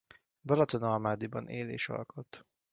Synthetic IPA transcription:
bɒlɒt̪onɒlmaːd̪ibɒneːlḛːʃɒ̰lko̞t̪ː

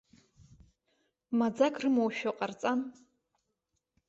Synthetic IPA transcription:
mad͡zakʰrɨmowʃᶣaqʼart͡sʼam

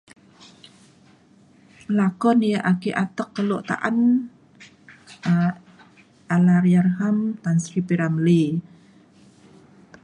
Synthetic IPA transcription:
əlakɔnijaʔakiʔat̪əkːəloʔt̪a̰ʔan | a | ʔalaɾjarɦamt̪ansɾipiɾamli

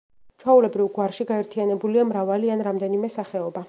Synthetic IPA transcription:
t͡ʃʰwaulɛbɾivɡwaɾʃiɡaɛɾt̪ʰianɛbuliamɾavalianɾamd̪ɛnimɛsaχɛɔba

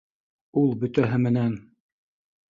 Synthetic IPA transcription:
ulˠbɵ̆t̪æɦɘmɘ̆næn

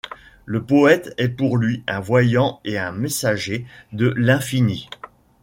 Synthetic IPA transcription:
ləpɔɛt̪ɛpuʁlɥiɛ̃vwajɑ̃eɛ̃mesaʒed̪əlɛ̃fini

